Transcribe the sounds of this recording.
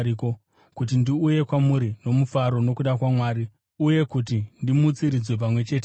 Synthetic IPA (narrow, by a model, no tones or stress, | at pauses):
iko̞ | kut̬indiuje̞kwamuɾino̞mufaɾo̞no̞kuɗakwamwaːɾi | uje̞kutindimut͡siɾid͡zwe̞p̬amwe̞t͡ʃe̞ːt̬e